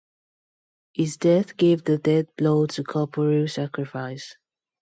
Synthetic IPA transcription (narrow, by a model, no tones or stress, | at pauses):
hizdɛθɡ̥evðədɛd̚bloʊtʰəkʰɔpʰəɹisakɹɪfaɪs